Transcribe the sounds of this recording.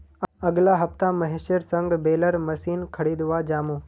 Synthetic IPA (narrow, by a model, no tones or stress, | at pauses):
ɐɡlaɦɐft̪ãmɐɦeʃəɾsə̃ŋɡbeːləɾmɐsiːnkʰɐɽiːd̪ʋad͡ʒaːmuː